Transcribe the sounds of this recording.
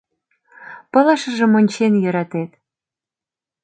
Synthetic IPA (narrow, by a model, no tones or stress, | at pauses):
pɤ̆lɑʃə̆ʒĕmonʲt͡ɕenjø̆ɾɑt̪et̪